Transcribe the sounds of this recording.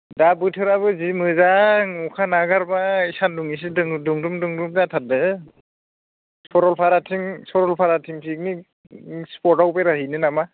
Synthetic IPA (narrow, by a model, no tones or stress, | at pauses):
dabɯtʰɯɾaβɯzimɯzaŋukʰanaɡaɾbaisanduŋis̬idɯŋduŋdumduŋdumzatʰat̚dɯ | sɔɾɔlpʰaɾatʰiŋsɔɾɔlpʰaɾatʰiŋpʰik̚ni | spɔtawpeɾaɦinɯnama